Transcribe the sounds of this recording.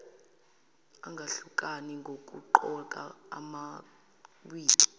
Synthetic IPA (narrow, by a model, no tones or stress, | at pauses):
aŋɡʱaɬukʼaniŋɡʱok̬ʼṵǃɔkʼa̰ːma | wiːkʼi̥